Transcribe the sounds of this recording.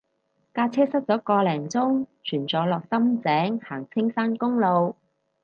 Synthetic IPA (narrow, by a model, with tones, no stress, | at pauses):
kaː˧t͡sʰɛː˥sɐ˥t̚t͡sɔː˨˥kɔː˧lɛː˨˩ŋt͡sʊ˥ŋt͡ʃʰyː˨˩nt͡sɔː˨˥lɔː˨k̚sɐ˥mt͡sɛː˨˥ŋhaː˨˩ŋt͡sʰɪ˥ŋsaː˥nkʊ˥ŋlo˨˧w